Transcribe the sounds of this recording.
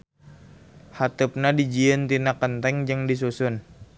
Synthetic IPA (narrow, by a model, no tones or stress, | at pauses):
hat̪up̚nadid͡ʒiənt̪inakənt̪ɛŋd͡ʒəŋdis̬usʊn